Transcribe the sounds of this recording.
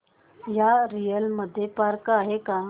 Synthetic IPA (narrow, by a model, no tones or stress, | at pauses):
jaɾijəlməd̪ʱːjepaɾkaɦeka